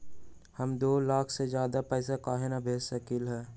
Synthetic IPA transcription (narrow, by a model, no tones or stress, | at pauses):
həmd̪oːlaːkʰsed͡ʒjaːd̪apɛːs̬akaːɦɪnabʱeːsəkiːlɦɛː